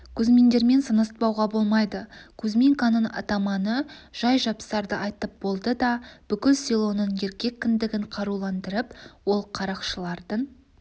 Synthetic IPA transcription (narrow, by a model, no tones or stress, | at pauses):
kʲʰɵzme̞nd̪e̞ɾme̞nsənəst̪̚pɑwʁɑbo̞lˠmɑjd̪əkʲʰɵzmiŋkanəɴɑ̰t̪ɑmɑnəʒ̥ɑjʒɑpsɑɾd̪əʔɑjt̪əp̚bo̞lˠd̪əd̪ɑb̥ʏkʲɪlsʲilˠo̞nəɴe̞ɾkʲe̞kʲːɪnd̪ɪɡʲɪɴqʰɑɾulˠɑnd̪əɾəpwo̞lˠqʰɑɾɑqʃəlˠɑɾd̪əɴ